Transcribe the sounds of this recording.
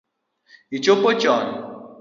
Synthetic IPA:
it͡ʃopot͡ʃɔn

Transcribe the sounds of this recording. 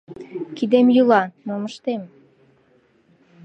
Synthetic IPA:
kid̪emjylɑnoməʃt̪em

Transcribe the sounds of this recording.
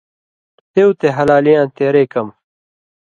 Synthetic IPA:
t̪ewt̪eɦɐlaːlijãːnt̪eːɾeːkɐm

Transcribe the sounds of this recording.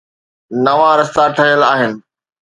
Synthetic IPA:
nɐʋãɾɐst̪aʈʰəɦijəlaːɦɪnɪ̆

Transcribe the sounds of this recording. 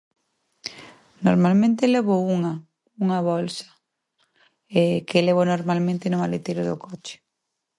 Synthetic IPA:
noɾmalmẽnt̪eleβ̞ouŋa | uŋɐβɔlsɐ̥ | ekeleβ̞onoɾmalmẽnt̪ɪnʊmalet̪ejɾʊðʊkʰɔt͡ʃɪ̥

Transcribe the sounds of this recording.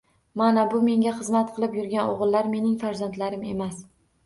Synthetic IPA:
manabʊme̞ŋɡʲaχɨzmat̪qʰɨlˠɪpjʊɾɡʲanoʁɨlˠːaɾme̞nɪŋfaɾzand̪laɾɪme̞̰mas

